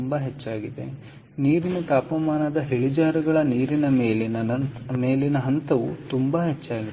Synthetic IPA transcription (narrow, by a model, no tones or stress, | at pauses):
mbaɦet͡ʃːaːɡid̪e̞̰ | niːɾinɐt̪aːpɐmaːnɐd̪ɐɦeɭid͡ʒaːɾɐɡɐɭɐniːɾinɐmeːl | meːlinɐɦɐnt̪ɐʋṵt̪umbaɦet͡ʃːaːɡi